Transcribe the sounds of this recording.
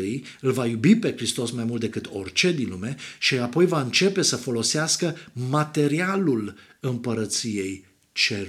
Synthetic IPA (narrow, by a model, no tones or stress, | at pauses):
ɨj | ɨlvajubipe̞kɾist̪o̞smajmult̪d̪e̞kɨt̪o̞rt͡ʃe̞d̪inlumeʃiapo̞jvaɨnt͡ʃe̞pe̞səfo̞lo̞seaskəmat̪e̞ɾialul | ɨmpəɾət̪sije̞j | t͡ʃe